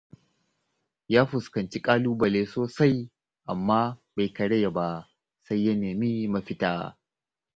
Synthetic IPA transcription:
jaː˦ɸʊ˨skɐ˨nt͡ʃi˦kʼaː˦luː˦bɐ˨leː˦soː˨sa˦j | ʔa˨mːaː˦ba˨jkɐ˨ɽɐ˦ja˨ba˦ | sa˦jːɐ˦neː˨miː˦mɐ˨ɸɪ˦taː˨

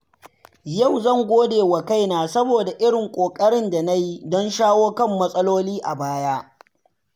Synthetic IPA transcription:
jɐ˦˨wzɐ˦˨ŋɡʷoː˦deː˨wa˨ka˦˨jnaː˨sɐ˦boː˨da˨ʔɪ˦ɽɪ˨ŋkʷʼoː˨kʼɐ˦ɽɪ˦nda˨na˦ji˦dɔ˦nʃaː˦woː˦kɐ˦˨mːɐ˦sʼɐ˦loː˦liː˦ʔa˨baː˦jaː˦

